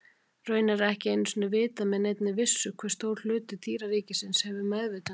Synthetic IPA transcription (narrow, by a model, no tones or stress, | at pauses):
rœːɥnaɾɛhcɪejnʏ̥sʏnːavɪːt̪amɛðnejt̪nɪvɪsːʏkʰvɛɾ̥st̪oːwɾ̥l̥ʏːt̪ʏt̪ʰiːɾaɾiːcɪsɪnshɛvʏmɛðvɪt̪a